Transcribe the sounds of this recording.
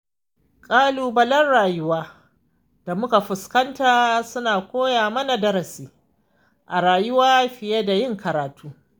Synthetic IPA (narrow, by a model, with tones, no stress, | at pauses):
kʼaː˦luː˨bɐ˦lɐ˦nɽaː˨jʊ˦waː˦ | d̥a˨mʊ˦ka˨ɸʊ˨skɐ˦ntaː˨sʊ˦naː˨kʷoː˦jaː˨mɐ˦na˨dɐ˦ɾɐ˨siː˨ | ʔa˨ɾaː˨jʊ˦waː˦ɸɪ˨je˦da˨jɪ˦ŋkɐ˨ɾaː˨tuː˦